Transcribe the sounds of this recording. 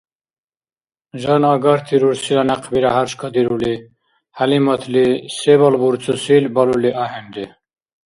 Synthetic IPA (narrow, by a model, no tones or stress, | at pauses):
ʒɑnɑɡɑɾt̪ʰiɾuɾsilanaqʰbiɾaɦaɾʃkʰɔd̪iɾuli | halimɐt̪ʰlisebɔlbuɾt͡sʰusilbɐluliʔaɦɛnd̪i